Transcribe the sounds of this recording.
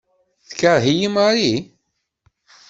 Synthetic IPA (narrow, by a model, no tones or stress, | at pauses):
θkaɾˤɦijimaɾi